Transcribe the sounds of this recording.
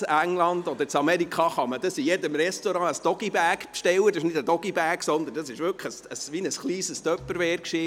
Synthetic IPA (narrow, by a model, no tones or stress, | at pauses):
æŋlɑndɔd̪əɾt͡sɑmɛɾikχɑχɑməd̥̪əsijɛdəmɾɛst̪oɾɑ̃əsd̥ɔɡ̥ibæɾkpʃtɛwəd̪ɑʃnɪdəd̥ɔɡ̥ibæːksɔnd̪əndɑsɪʃʋʏkχəsəsʋinəsχliːsəst̪œpːəɾvɛːɾkʃiː